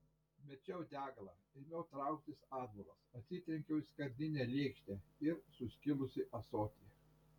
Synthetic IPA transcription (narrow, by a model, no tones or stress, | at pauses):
mʲɛt͡ʃʲɛʊd̪ʲæːɡɐlˠɑːɪnʲɛʊt̪ɾɑˑʊkt̪ʲɪsɑːd̪bolˠɐsɐt̪ʲsʲɪt̪ʲɾʲɛŋʲkʲɛʊɪskɐɾʲd̪ʲɪnʲɛlʲeːkʃʲt̪ʲeɪɾsʊsʲkʲɪlˠʊsʲɪʔɐsoːt̪ʲi